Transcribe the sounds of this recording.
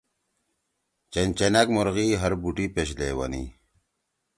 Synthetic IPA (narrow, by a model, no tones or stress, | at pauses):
t͡ɕent͡ɕenakmoɾɣiɦɐɾbuʈipeɕ̬lewɐ̰nḭ